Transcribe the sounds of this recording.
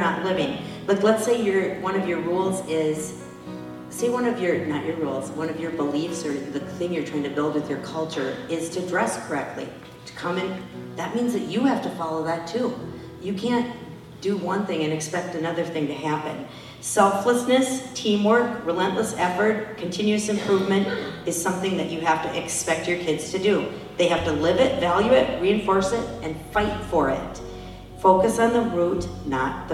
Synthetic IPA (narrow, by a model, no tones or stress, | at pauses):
ə˞nətˡlɪvɪ̃ŋ | b̥ʌtˡlətseɪjə˞wʌ̃nʌvjə˞ɹulˠzɪz̥ | seɪwʌ̃nʌvjə˞nət͡ʃə˞ɹulˠzwʌ̃nʌvjə˞bəlifsə˞ðɨθɪ̃ŋjə˞tʰaɪɪ̃ŋtʰɨbɪlˠd̚wɨðjə˞kʰʌlˠt͡ʃə˞ɪz̥tʰɨdɹɛskʰə˞ɛk̚tˡlḭ | ɾə̥kʰʌ̃mɨ̃nðɨt̚mĩnzðɨt͡ʃɨhæftɨfɑlˠoʊðətʰu | jɨkʰæ̃n | d̥ɨwʌ̃nθɪ̃ŋɨ̃nɨkspɛk̚tɨnʌðə˞θɪ̃ŋtɨhæpɨ̰̃n | sɛlˠfləsnɨstʰĩmwɜ˞kɹilɛ̃nʔləsɛfə˞t̚kʰɨ̃n̩tʰɪ̃njʉɨsɨ̃mpʰɹ̥uvmɨ̃ntɨz̥sʌ̃mθɪ̃ŋðɨt͡ʃɨhæftɨʔɨkspɛk̚t͡ʃə˞kʰɪdz̥tʰɨdɨ | ðeɪhæftɨlɪvɪtvælˠjʉɪt̚ɹiɨ̃ɱfɔɹsɪɾʔɨ̃nfaɪtfə˞ɪ̰t̚ | foʊkɨsn̩ðəɹutⁿnə̰t̪̚